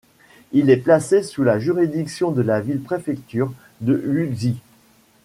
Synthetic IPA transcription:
ilɛplasesulaʒyʁid̪iksjɔ̃d̪əlavilpχefɛkt̪yːʁ | d̪əyzi

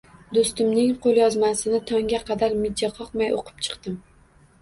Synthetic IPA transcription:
d̪ost̪ɪmnɪŋqʰolˠjɒzmasɪnɪt̪ʰɒŋʲaqʰɑd̪aɾmɪd͡ʒaqʰɒqmajoqʰɨ̥pt͡ʃʰɨ̥qt̪ɪm

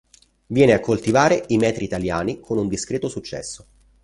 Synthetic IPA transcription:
vjɛːneakʰːolt̪ivaːɾeʔimɛːt̪ɾiːt̪aljaːnikʰonund̪iskɾɛːt̪osut͡ʃːɛ̰sːo

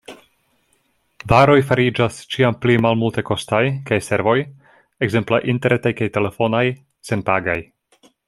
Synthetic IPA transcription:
vaɾo̞jfaɾid͡ʒast͡ʃiamplimalmulteko̞stajkajse̞ɾvo̞j | eɡze̞mplaʔinteɾʔetajkajte̞le̞fo̞naj | se̞npaɡa̰j

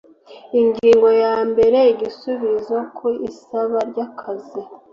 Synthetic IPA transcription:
iŋɡiːŋɡo̞jaːmbe̞ɾe̞iɟisuβizokʰoisaβaɾɟakʰazi

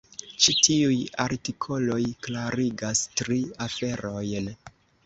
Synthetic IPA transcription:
t͡ʃitiuja̰ɾtikʰo̞lo̞jklaɾiɡastɾiafe̞ɾo̞jn

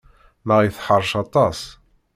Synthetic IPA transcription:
məʁiθħəɾˤːʃɑt̪ˤɑs

